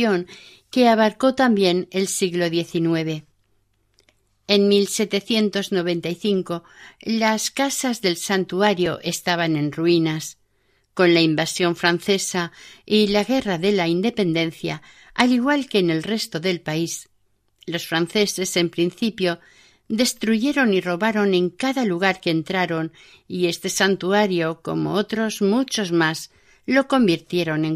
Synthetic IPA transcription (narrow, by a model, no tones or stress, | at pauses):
oŋ | ke̞aβaɾko̞t̪ambje̞ne̞lsiɣlo̞ðje̞θinwe̞β̞e̞ | enmilse̞t̪e̞θje̞nt̪o̞zno̞β̞e̞nt̪aiθiŋko̞ | laskasazðe̞lsant̪uaɾjo̞ʔe̞st̪aβ̞anẽ̞nruinas | ko̞nlaimbasjo̞ɱfɾan̟θe̞sailaɣ̞e̞raðe̞laind̪e̞pe̞nd̪ẽ̞nθja̰ː | liɣwalke̞ːne̞lre̞st̪o̞ðe̞lpais | lo̞sfɾan̟θe̞se̞se̞mpɾinθipjo̞ | d̪e̞st̪ɾuʝe̞ɾo̞niro̞βaɾo̞nẽ̞ŋkaðaluɣ̞aɾke̞ːnt̪ɾaɾo̞n | ie̞st̪e̞sant̪uaɾjo̞ko̞̰mo̞̰ot̪ɾo̞zmut͡ʃo̞zmaz | lo̞ko̞mbiɾt̪je̞ɾo̞ne̞ŋ